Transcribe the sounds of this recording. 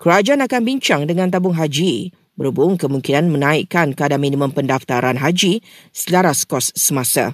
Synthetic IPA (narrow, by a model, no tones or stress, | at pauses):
kəɾad͡ʒaanakanbiɲt͡ʃaŋdəŋãnt̪abʊŋɦad͡ʒi | bəɾubʊŋkəmũŋkinanmə̃nãikankəadamĩnĩmə̃mpəndaft̪aɾanɦad͡ʒisəlaɾaskɔsːəmãsa̰